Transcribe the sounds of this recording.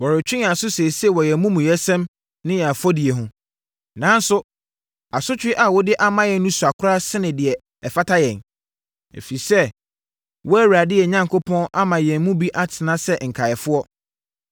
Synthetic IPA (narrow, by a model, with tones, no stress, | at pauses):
wɔ˨ɾɪ˨t͡ɕᶣɪ̃˦a˨sʊ˦se˨si˦ɛ˦wɔ˨jɛ˨mũ˦mũ˨jɛ˦sɛ̃˦m | nɪ̃˦jɛ˨a˨fɔ˦di˨ɛ˨ɦʊ̃˨ | nãː˨˦n̩˦sʊ˦ | a˨sʊ˦t͡ɕᶣɪ˦ʔa˨wɔ˦dɪ˦ʔa˦mã˦jɛ˨n˦nũ˦su˨a˨kʰʊ˦ɾa˦sɪ˦nɪ̃˨dɪ˨ɛ˨ | ɛ˨fa˦tʰa˦jɛ̰̃˨n | ḛ˨fi˨sɛ˦ | wɔ˦æ˦wa˨dɪ˦ɛ˨ɲã˦ŋkʰo˦pʰɔ̃˦na˦mã˨jɛ̃˨nmũ˦bi˦ʔa˦tʰɪ˨nã˦sɛ˦ŋ̩˨kʰa˨jɛ˨fʊ˦ɔ˦